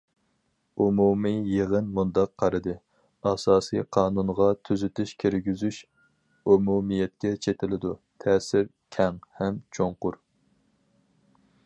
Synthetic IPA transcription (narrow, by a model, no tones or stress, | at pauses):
umumɨjeʁənmund̪ɑqʰːɑɾɨd̪ɨ | ɑsɑːsɨjqʰɑːnunʁɑt̪ʰyzyt̪ʰyʃkʲʰiɾɡʲyzyʃ | umumijɛt̪̚kʲɛt͡ʃʰet̪ʰɪlɪd̪ut̪ʰɛːsɪɾ | kʲʰɛŋhɛmt͡ʃʰoŋqʊɾ